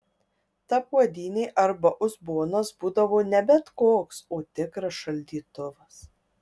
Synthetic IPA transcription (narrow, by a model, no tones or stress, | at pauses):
t̪ɐpɔd̪ʲiːnʲɛɪʔɐɾbɐʔʊzboːnɐsbuːd̪ɐʋoːnʲɛbʲɛt̪koːksoːt̪ʲɪkɾɐsʃɐlʲd̪ʲiːt̪ʊʋɐs